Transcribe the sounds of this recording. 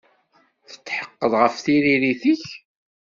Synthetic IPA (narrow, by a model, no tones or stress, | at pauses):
θə̥t͡sːħə̥qːəðˤʁəfθiɾiɾiθiç